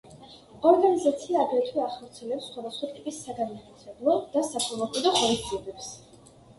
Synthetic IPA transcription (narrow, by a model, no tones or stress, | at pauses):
ɔɾɡanizat̪sʰiaːɡɾɛt̪ʰwiaχɔɾt̪sʰiɛlɛpsːχwad̪asχwat̪ʼipʼisːaɡanmat̪ʰat̪ʰɛblˠɔd̪̥asapʰɔlˠɔkʼwid̪ɔχɔɾid̪ziɛbɛps